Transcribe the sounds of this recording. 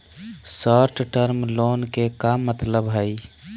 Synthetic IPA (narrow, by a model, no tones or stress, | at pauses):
sɔɾʈʈəɾmloːnkekamːət̪ləbɦəi